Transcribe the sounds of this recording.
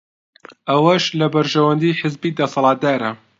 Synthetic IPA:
ʔɐwɐʃlɐbɐɾʒɐwɐnd̪iːħɪzbiːd̪ɐsɑlˠɑːt̪̚d̪aːɾɐ

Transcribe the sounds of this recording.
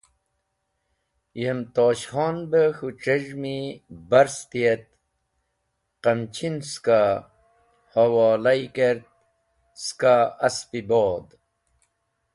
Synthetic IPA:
jemt̪oːɕhɑːnbəxuʈ͡ʂeʐmibɐɾst̪iet̪̚ | qɐmt͡ɕʰinska | hɐwɑːlajkeɾt̪̚ | skaɐspiboːd̪

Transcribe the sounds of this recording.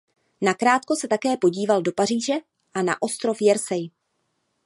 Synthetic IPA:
nakɾaːt̪ko̞sɛt̪akɛːpo̞ɟiːvaldo̞par̝iːʒɛ | ʔana̰ʔo̞st̪ɾo̞fjɛɾsɛj

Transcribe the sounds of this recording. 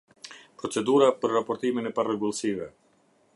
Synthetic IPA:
pɾɔt͡sɛd̪uɾapəɾːapɔɾt̪iminɛparɛɡulˠsivɛ

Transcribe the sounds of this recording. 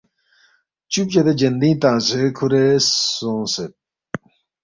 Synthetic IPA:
t͡ɕup̚t͡ɕɐd̪ed͡ʑɐnd̪ĩːt̪ãːzekʰuɾesõset̪̚

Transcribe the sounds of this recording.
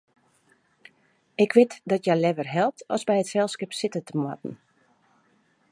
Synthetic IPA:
ɪkʋɪtdɔtjalɛʋərɦɛlˠp̚tʰɔ̰zbɛjətfɛlˠskɪpsɪtətəmwɔ̰tn̩

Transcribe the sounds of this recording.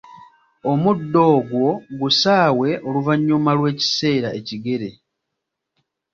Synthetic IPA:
o̞mudːo̞ːɡwo̞ɡusaːwe̞ʔo̞luvaɲːumalwe̞ːci̥se̞ːɾaʔe̞ciɡe̞ɾe̞

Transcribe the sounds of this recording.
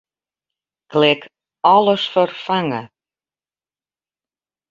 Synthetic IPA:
klɪk | ɔlˠəsfərfaŋə̰

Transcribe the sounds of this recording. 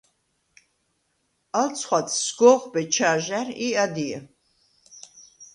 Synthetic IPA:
alt͡sʰχwat̪ʰsɡɔːχbɛt͡ʃʰaːʒariad̪iɛ

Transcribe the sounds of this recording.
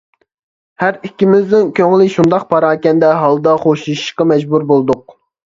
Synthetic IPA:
hæɾikʲːimɪzd̪ɪnkʲøŋlɪʃund̪ɑq̚pʰɑɾɑːkʲɛnd̪ɛɦɑlˠd̪ɑχoʃʃqɑmɛd͡ʒbuɾbolˠd̪ʊq̚

